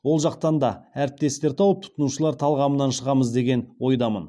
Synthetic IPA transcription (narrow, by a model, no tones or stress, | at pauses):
wo̞lˠʒɑq̚t̪ɑnd̪ɑæɾɪp̚t̪e̞st̪e̞ɾt̪ʰɑwəp̚t̪ʰʊ̥t̪ənuʃəlˠɑɾt̪ʰɑlˠʁɑmənɑnʃəʁɑməzd̪e̞ɡʲe̞nwo̞jd̪ɑmə̰n